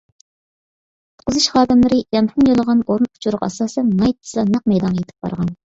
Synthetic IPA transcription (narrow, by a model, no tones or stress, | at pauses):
t̪qʊzɨʃχɑːd̪ɨmlˠɨɾɪjɛmχɨnjolˠəʁɑnoɾunpʰu̥t͡ʃʰuɾʊqɑ̰sɑːsɛnmɑjt̪ʰːɨ̥sɑnɑq̚mɛjd̪ɑnjet̪ʰɪ̥p̚b̥ɑ̰ɾʁɑn